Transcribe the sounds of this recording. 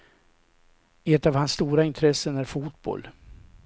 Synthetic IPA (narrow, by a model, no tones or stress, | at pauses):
ɛt̪avhansːt̪uːɾaɪnt̪ʰɾɛsːənæɾfuːt̪̚bɔ̰l